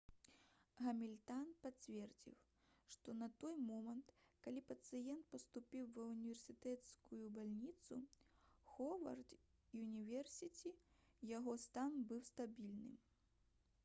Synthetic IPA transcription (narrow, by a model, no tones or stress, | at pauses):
ɣɐmʲilʲt̪anpat͡sʲvʲɛrd͡zʲḭw | ʂt̪ɔnɐt̪ɔjmɔmɐnt̪kalʲipɐt̪sɨjɛnt̪̚pɐst̪upʲiwvɐunʲivʲɛrsʲɨt̪ɛt̪skujubalʲnʲit̪suxɔvɐ̰rd̪ | junʲivʲɛrsʲit͡sʲijaɣɔst̪anbɨwst̪abʲilʲnɨ̰m